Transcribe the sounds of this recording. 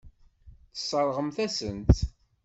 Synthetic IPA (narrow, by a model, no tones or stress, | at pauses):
θə̥sˤːəɾˤʁəmθæsənt̪